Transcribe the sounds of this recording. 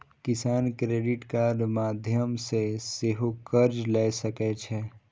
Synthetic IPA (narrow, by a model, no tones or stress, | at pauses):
kɪsaːnkɾeːɖɪʈkaːɖmaːd̪ʱjəmseseɦokəɾd͡ʒlɛːsəkɛt͡ʃʰɛ